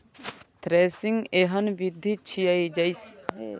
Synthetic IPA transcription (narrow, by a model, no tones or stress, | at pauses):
t̪ɾeːsɪŋɡeɦənʋid̪ʱːit͡ʃʰijaid͡ʒais